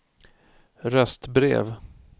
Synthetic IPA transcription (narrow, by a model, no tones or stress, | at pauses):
ɾɛst̪bɾḛːv